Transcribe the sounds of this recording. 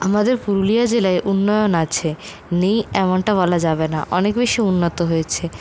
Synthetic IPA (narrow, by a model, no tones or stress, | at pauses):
amad̪eɾpuɾulijad͡ʑelaeʔunːojonat͡ɕʰe | nejɛmoɳʈabɔlad͡ʑabena̰ʔɔnekbeʃiunːot̪oɦojet͡ɕʰe